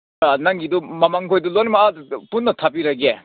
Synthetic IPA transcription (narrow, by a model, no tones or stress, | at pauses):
anaŋɡidumɐmaŋkʰojdulonmaapunːɐtʰapiɾɐɡe